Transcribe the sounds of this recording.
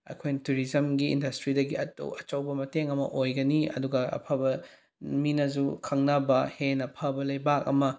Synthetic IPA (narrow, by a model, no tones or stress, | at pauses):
ɐ̰kʰojnituɾizɐmɡḭːndɐstɾidɐɡiɐto̰wɐt͡ʃɐwbɐmɐteŋɐmɐ̰ʔojɡɐniɐ̰duɡɐɐ̰pʰɐbɐ | minɐzukʰɐŋnɐbɐhenɐpʰɐbɐlɐjbakɐ̰mɐ